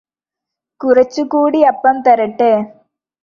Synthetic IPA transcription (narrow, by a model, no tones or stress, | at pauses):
kuɾɐt͡ʃːukuːɽiɐpːɐmt̪ɐɾɐʈːeː